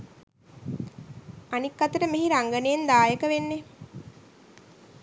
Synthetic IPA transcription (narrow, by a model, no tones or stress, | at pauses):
anikːat̪əɾəmeɦiɾaŋɡənejend̪aːjəkəʋenːe